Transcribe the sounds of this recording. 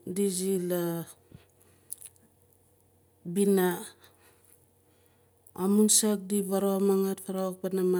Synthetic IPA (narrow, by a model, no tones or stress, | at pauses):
dizila | bina | amunsak̚diβaɾoamaŋatpaɾawak̚panama